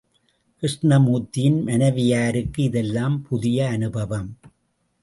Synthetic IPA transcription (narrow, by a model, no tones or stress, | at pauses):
kɾɪʂɳɐmuːt̪ːɪjɪnmɐnɐʋɪjaːɾɯkːɯɪðɛlːaːmpʊðɪjɐːnɯbɐʋɐm